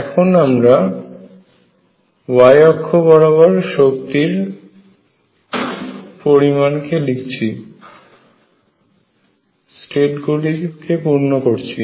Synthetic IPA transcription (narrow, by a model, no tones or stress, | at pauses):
ɛkʰonamɾa | bajɔkʰːobɔɾoβɔɾʃokt̪iɾ | poɾimankelikt͡ɕʰi | sʈeʈɡulikepuɾnokoɾt͡ɕʰi